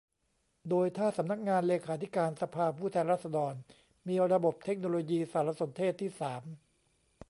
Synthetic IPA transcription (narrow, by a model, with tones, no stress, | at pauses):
doː˧jt̪ʰaː˥˩sa˩˦mna˦˥k̚ŋaː˧nleː˧kʰaː˩˦t̪ʰi˦˥kaː˧nsa˧pʰaː˧pʰuː˥˩t̪ʰɛː˧nɾaː˥˩t̪̚sa˧dɔː˧n | miː˧ɾa˧bo˨˩p̚t̪ʰe˦˥k̚noː˧loː˧jiː˧saː˨˦ɾa˦˧˥so˩˦nt̪ʰeː˥˩t̪ʰːiː˥˩saː˩˦m